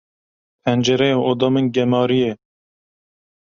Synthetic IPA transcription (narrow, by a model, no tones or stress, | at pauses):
pʰɛnd͡ʒɛɾɛjɑʔod̪ɑmɨnɡɛmɑːɾijɛ